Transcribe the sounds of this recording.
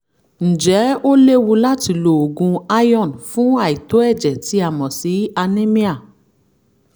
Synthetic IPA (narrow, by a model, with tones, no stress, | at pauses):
n̩˨d͡ʒɛ˨˦o˦le˦wũ˧la˦ti˧lo˨o˨ɡũ˧a˦jɔ̃˦˨nfũ˦a˦˨i˨to˨˦ɛ˦˨d͡ʒɛ˨ti˧˦a˨mɔ̃˨si˨˦a˧nẽ˦mĩ˦a˦˨